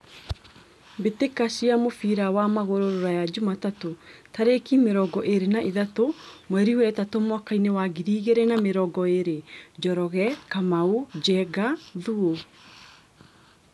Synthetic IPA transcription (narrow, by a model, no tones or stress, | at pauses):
betekasiamofiɾawamaɣoɾoɾoɾajad͡ʑumatatotaɾekimeɾɔɡɔʔeɾenaʔiðatomwɛɾiwɛtatomwakainewaɡiɾiːɣeɾɛnameɾɔɡɔeɾed͡ʒɔɾɔɣɛkamaud͡ʒɛɡaðuo